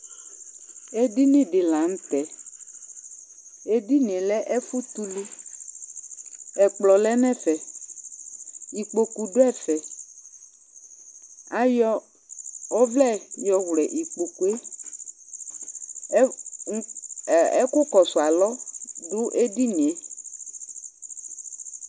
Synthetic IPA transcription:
e˦di˦nĩ˦dɪ˨la˨ŋ̩˦t̪ɛ˨ | e˦di˦nĩ˨e˨lɛ˦ʔɛ˦fu˦t̪u˦li˦ | ɛ˨k͡plɔ˨lɛ˦nɛ̃˦fɛ˨ | i˨k͡po˨ku˨ɖʊ˦ɛ˦˨fɛ˨ | a˨jɔ˦ | o˦vlɛ˦˨jɔ˨wlɛ˨ʔi˨k͡po˨ku˨e˦˨ | ɛ˦kʊ˦kɔ˨su˨a˨lɔ˦ɖʊ˦ʔe˦di˦nĩ˨e˨

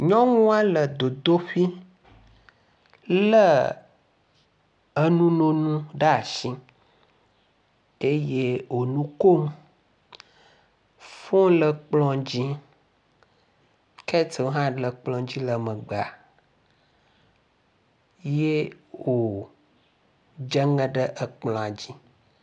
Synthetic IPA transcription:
ɲɔ̃˦ŋũ˦a˦lə˨d̪o˨d̪o˦ɸi˦ | lə˦ | ə˦nũ˦nõ˦nũ˦ɖa˦a˨ʃĩ˦ | e˦je˦wo˨nũ˦ko˦m | fõ˦lə˨k͡plɔ̃˦d͡ʑi˦ | kɛ˦te˨wo˦ɦã˦lə˨k͡plɔ̃˨d͡ʑi˦lə˨mə̃˨ɡ͡ba˨ | je˦wo˨ | d͡ʒə˦ŋə̃˦ɖə˦ʔə˨k͡plɔ̃˨a˨d͡ʑi˦

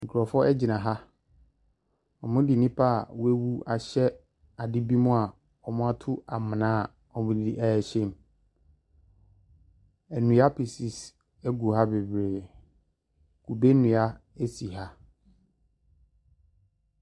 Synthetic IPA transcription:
ŋ̩˨kʰu˨ɾɔ˨fɔ˦ɛ˦d͡ʑɪ˨nã˨ɦa˦ | ɔ˨mʊ̃˦di˨nĩ˦pʰa˦a˨wʊ˦æ˦wu˦a˨ɕɛ˦ | a˨dɪ˦bi˦mʊ̃˦a˨ | ɔ˨mʊ̃˦a˦tʰʊ˦a˨mɪ̃˨nãː˦˨ | ɔ˨mʊ̃˨di˨ʔɛ˨ɛ˨ɕẽ˦˨m˨ | æ˨nũ˨a˦pʰi˨si˨s | æ˦ɡu˨ɦa˦be˨bɾeː˨ | kʰu˨be˦nʊ̃˨a˦e˦si˨ɦa˦

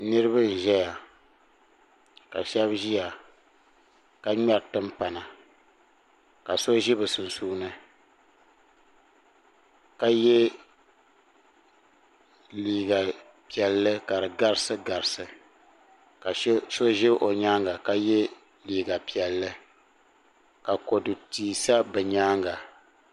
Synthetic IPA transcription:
nɨ˦ɾɨ˦bɨ˦n̩˨ʒɛ˦ja˨ | ka˨ʃɛ˦bʒi˦ja˨ | ka˦ɲa˦ɾtɨ˦mpa˨na˨ | ka˨so˦ʒɪ˦bɨ˨sʊ˨n˨suː˦nɨ˦ | ka˦jɛ˦ | liː˨ɡa˨ | pi˨ɛ˨lːɨ˦ka˨ɾɨ˨ɡa˦ɾɨ˦sɨ˦ɡa˨ɾɨ˨sɨ˨ | ka˨˦so˦ʒɪ˦ʔo˨ɲaː˦ŋɡa˨ka˦jɛ˦ | liː˨ɡa˨pi˨ɛ˨lːɨ˦ | ka˨ko˨dɨ˨tiː˨sa˦bɨ˨ɲaː˦ŋɡa˨

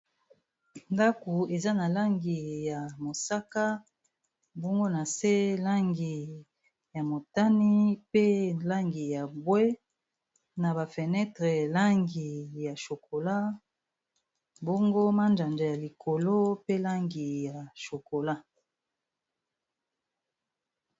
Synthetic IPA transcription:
nda˦ko˨e˨za˦na˨la˦ŋɡi˨ja˨mo˨sa˦ka˦ | bɔ˦ŋɡo˦na˨se˦la˦ŋɡi˨ | ja˨mo˨ta˦ni˦pe˦la˦ŋɡi˨ja˨bwe˦ | na˨ba˨fɛ˨nɛ˦tʁe˨la˦ŋɡi˨ja˨ʃo˨ko˨la˦ | bɔ˦ŋɡo˦ma˦nd͡ʒa˨nd͡ʒa˨ja˨li˨kʰo˨lo˦pe˦la˦ŋɡi˨ja˨ʃo˨ko˨la˦

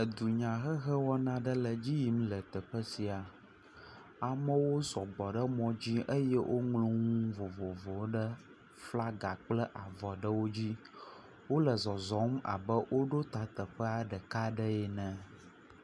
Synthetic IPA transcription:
ə˨d̪u˨ɲã˨ɣə˦ɣə˦wɔ˦nã˦ɖə˦lə˨d͡ʑi˦ji˦mlə˨t̪ə˨ɸə˦si˨a˨ | a˨mə̃˦wo˦zɔ˨ɡ͡bɔ˨ɖə˦mɔ̃˦d͡ʑi˦ʔə˦jɛ˦wʔo˦ŋlũ˦ŋũ˦vo˨vo˨vo˨˦ɖə˦ | fla˦ɡa˨k͡plə˦ʔa˨vɔ˨ɖə˦wo˦d͡ʑi˦ | wo˦lə˨zɔ˨zɔ˨˦ma̰˨bə˦wʔo˦ɖo˦t̪a˨t̪ə˨ɸə˦a˨ɖə˨ka˦ɖə˦ɛ˨nɛ̃˨

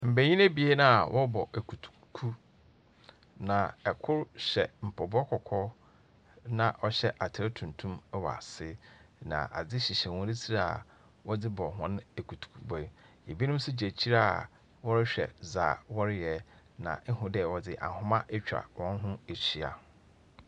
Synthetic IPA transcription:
m̩˨be˨ɲĩ˦ne˦bi˨˦e˦nã˦a˨wʔɔ˦bɔ˨ʔæ˨kʰu˨tʰu̥˨kʰu˦ | nã˨ɛ˨kʰʊ˦ɾɕɛ˨m̩˨pʰɔ˨bɔ˦kʰɔ˨kʰɔ˦ | nã˨ʔɔ˦ɕɛ˦ʔa˨tʰɪ˨ɾɪ˦tʰũ˨n˨tʰũ˦m˦wɔ˨a̰˨sɪ˦nã̰˨ʔa̰˨d͡zɪ˦ɕi˨ɕɛ˨wʊ̃˦ɾɪ˦t͡sʰi˦ɾa˦a˨ | wɔ˦dɪ˦bɔ˨ɦʊ̃˦n˦e˨kʰu˨tʰu̥˨kʰu˦˨bɔ˨˦je˨bi˦nʊ̃˦m˦sʊ˦d͡ʑe˨t͡ɕʰi˦ɾa˦˨ | wɔ˦ɾɪ˦ɕᶣɛ̰˨zaː˨wɔ˦ɾɪ˦jɛ˨ | nã̰˨ɛ˦ɦʊ̃˦dɛ˦˨wɔ˨dɪ˦ʔa̰˨hʊ̃˦mã˦ʔe˦t͡ɕᶣa̰˨wɔ̃˦n˦ɦʊ̃˦e˨t͡ɕi˨a̰˨

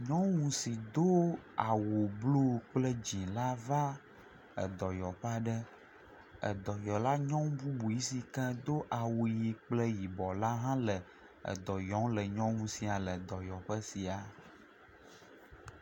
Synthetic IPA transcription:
ɲɔ̃˦ŋũ˨si˨d̪o˦a˨wo˨blo˦˨k͡plə˦d͡ʑĩ˨la˦va˦ | ə̰˨d̪ɔ˨jɔ˨ɸa˦ɖə˦ | ə̰˨d̪ɔ˨jɔ˨la˦ɲɔ̃˦ŋbu˦bu˨ji˦si˨kɛ̃˦d̪o˦ʔa˨wo˨ji˨k͡plə˦ji˨bɔ˨la˦ɦã˦lə˨ | ə̰˨d̪ɔ˨jɔ̃˨˦ŋlə˨ɲɔ̃˦ŋũ˨si˨a˨lə˨d̪ɔ˨jɔ˨ɸə˦si˨a˨

